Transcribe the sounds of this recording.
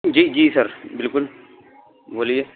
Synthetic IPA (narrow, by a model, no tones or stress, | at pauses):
d͡ʒiːd͡ʒiːsɐɾbɪlkʊl | boːlie